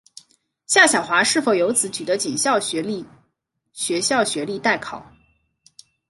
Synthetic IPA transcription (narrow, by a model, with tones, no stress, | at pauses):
ɕja˥˩ɕjɑ˨˩ʊxwa˧˥ʂɻ̩˥˩fo˨˩ʊjo˧˥ʊt͡sɹ̩˧˥t͡ɕy˨˩d̪ə˦t͡ɕi˨˩nɕjɑ˥˩ʊ˧˥˧ | ɕɥɛ˧˥ɕjɑ˥˩ʊɕɥɛ˧˥li˥˧t̪a˥˩ɪkʰɑ˨˩˦ʊ